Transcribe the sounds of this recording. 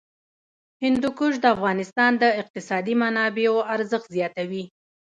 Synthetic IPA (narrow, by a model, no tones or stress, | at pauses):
hɪnd̪ukuʒd̪əafɣɑnɪst̪ɑnd̪əɪq̚t̪ɪsɑd̪imanɑbeoaɾzəxt̪zjɑt̪awi